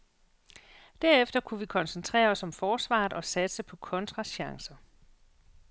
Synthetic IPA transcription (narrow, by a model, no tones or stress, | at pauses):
d̥æɐ̰efd̥ɐkʰuʋikʰɒ̽nsent͡sʰʁɛ̰ːɐɒ̽sɒ̽mfɒːsʋɑ̰̈ːðˠɒ̽sæd̥səpʰɒ̽kʰɔ̽nt͡sʰʁɑ̈ɕɑ̈ŋsɐ